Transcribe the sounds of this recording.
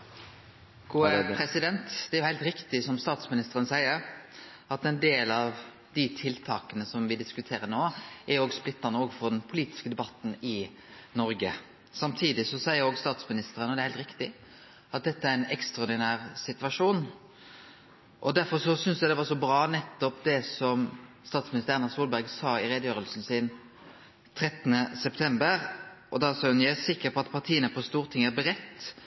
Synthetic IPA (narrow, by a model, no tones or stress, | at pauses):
ɡuːəɾɛsɪd̪ɛnt̪d̪̥ɛæɾjʊhæɪlt̪ɾɪkt̪ɪsɔmst̪ɑːt̪smɪnɪst̪əɾənsæɪəɾ | ɑt̪ɛnd̪eːlɑʋ | d̪ɪt̪ʰɪlt̪ʰɑːkənəsɔmʋɪd̪ɪskʉt̪ʰeːɾənoːɛɾjʊoːɡsplɪt̪ːɑnəoːɡfɔɾd̪ɛnpʰʊliːt̪ɪ̥skəd̪ɛbɑt̪ːn̩ɪ | nɔɾɡə | sɑmt̪ʰiːd̪ɪsɔsæɪəɾoːɡst̪ɑːt̪smɪnɪst̪əɾənɔd̪ɛɾhæɪlt̪ɾɪkt̪ɪ | ʔɑt̪̚d̪ɛt̪ːəæɾɪnɛkst̪ɑɔɾd̪ɪnæːʁsɪt̪ʉʋɑʂuːn | ʔɔd̪æɾfɔɾʂɔsʏnsjæd̪ɛʋɑʂɔbɾɑːnɛt̪ːɔpd̪ɛsɔm | st̪ɑːt̪smɪnɪst̪əɾɛnɑsuːlbæɾɡsɑːɪɾeːd̪əjøːɾəlsn̩sɪːn | t̪ʰɾɛt̪ːənəsɛpt̪ʰɛmbəɾʔɔd̪ɑsɑʉnjææsɪkːəpɔɑt̪pʰɑʁt̪ʰiːənəpʰɔst̪uːɾt̪ʰɪŋːəbɾɛt̪ː